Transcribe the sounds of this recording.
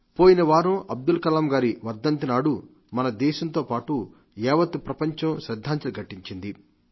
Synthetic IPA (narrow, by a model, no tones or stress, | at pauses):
poːjinɐʋaːɾoʔɐb̚d̪ulkɐlamɡaːɾiʋɐɾd̪ɐnt̪inaːɽu | mɐnɐd̪ɛːʃɐnt̪o̞ːpaːʈu | jɛːʋɐt̪upɾɐpɐɲt͡ʃɐmʃɾɐd̪ʱːaːɲt͡ʃɐluɡɐʈːiɲt͡ʃind̪i